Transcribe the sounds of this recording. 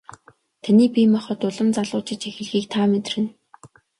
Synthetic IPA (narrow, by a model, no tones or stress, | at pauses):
t̪ʰaniːpimaχɔ̆t̪ʊɮə̆mt͡saɮʊːt͡ɕɪ̆t͡ɕexɘ̆ɮxiːk̚t̪ʰaːmet̪̆rɘ̆n